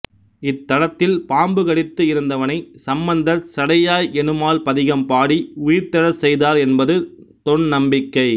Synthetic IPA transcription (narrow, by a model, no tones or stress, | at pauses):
ɪt̪ːɐɽɐt̪ːɪlpaːmbɯɣɐɽɪt̪ːɯɪɾɯnd̪ɐʋɐnɐɪsɐmbɐnd̪ɐɾsɐɽɐjaːjɛnɯmaːlpɐðɪɣɐmpaːɽiʊjɪɾt̪ɐɽɐsɛjðaːɾɛnbɐðɯt̪ɔɳnɐmbɪkːɐɪ